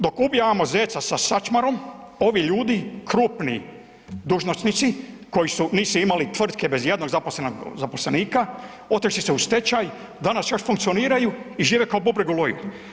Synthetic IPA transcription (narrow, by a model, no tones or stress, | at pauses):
d̪o̞kubjaamo̞zeːt̪sasasat͡ʃmaɾo̞m | o̞ʋiʎuːd̪ikɾuːpni | d̪uʒnost̪nit̪siko̞jisuniːsuimalit̪ʋr̩t̪ke̞be̞zje̞d̪no̞ɡzaposlenoɡzapo̞sleniːka | o̞t̪iʃsise̞ust̪e̞t͡ʃaj | d̪anasjo̞ʃfuŋkt̪sio̞niːɾajuiʒiːʋekaobubɾeɡulojṵl